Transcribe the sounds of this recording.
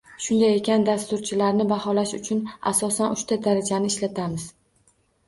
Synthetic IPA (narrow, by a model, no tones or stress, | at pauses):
ʃʊnd̪aje̞kʲʰand̪ast̪ʊɾt͡ʃʰɪlaɾnɪbahɒlaʃʊt͡ʃʰʊna̰sɒsanʔʊʃt̪ʰad̪aɾad͡ʒanɪɪʃlat̪ʰamɪz